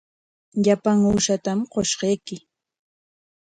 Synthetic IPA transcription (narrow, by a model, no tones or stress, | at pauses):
ʎapaŋuːʃat̪amqoʃɢɑjkɪ